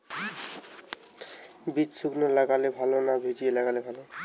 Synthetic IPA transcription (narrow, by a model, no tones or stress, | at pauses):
bitsuɡnolaɡalebʱalonabʱed͡ʑielaɡalebʱalo